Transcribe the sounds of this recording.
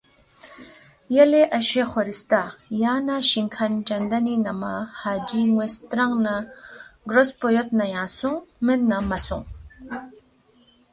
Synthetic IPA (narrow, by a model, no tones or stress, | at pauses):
jeleʔɐɕeχoɾist̪ajaːnaɕiŋkʰɐnd͡ʒɐnd̪ɐninɐmahaːd͡ʒiŋwest̪ɾaŋnaɡɾospojot̪najãːsuŋmenːamɐsṵŋ